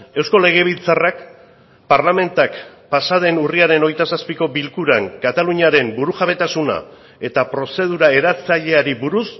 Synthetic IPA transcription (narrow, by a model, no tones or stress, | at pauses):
e̞wsko̞le̞ɣ̞e̞β̞ilt͡sarak | paɾlame̞nt̪akpasað̞e̞nuriaɾe̞no̞jt̪asaspiko̞bilkuɾaŋkat̪aluɲiaɾe̞mbuɾuʝaβ̞e̞t̪asuna̰ | e̞t̪apɾo̞se̞ð̞uɾae̞ɾat͡saʎe̞aɾiβuɾus